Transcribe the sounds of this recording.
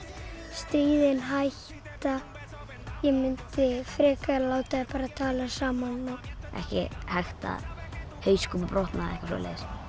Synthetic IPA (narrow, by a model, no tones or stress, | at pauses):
st̪ɾiːðɪnɦajh | t̪t̪a | jɛmɪnt̪ɪfɾɛːkaɛlaːwt̪aðɪpaːɾaðt̪ʰaːlasaːmanːawɛ̰hcɪ̰hajxt̪a̰ | hœːɥskɔmapɾɔwht̪naðɛhkasɔ̰ːlḛðs